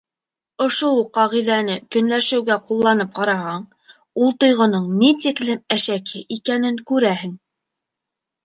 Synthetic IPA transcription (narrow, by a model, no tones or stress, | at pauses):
ŏʃowuqːɑʁiðænɘkɵ̆nlæʃɘ̆wɡæqulˠːɑnɤp̚qɑɾɑhɑɴ | ulˠt̪ŏjʁŏnɤɴnit̪iklɘmæʃækʰɘʔikænɘŋkʉɾæhɘŋ